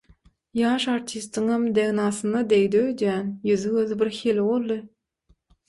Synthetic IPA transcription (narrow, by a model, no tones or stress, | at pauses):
jɑːʃɑɾt̪ʲʰist̪ɯŋɑmd̪eɣnɑːsɯnɑd̪ejd̪øːjd̪jæːnjyðyøðbiɾxelwolˠːɯ